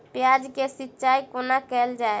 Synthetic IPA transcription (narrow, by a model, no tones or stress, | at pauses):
pjad͡ʒkesitːʃaikonakɛld͡ʒae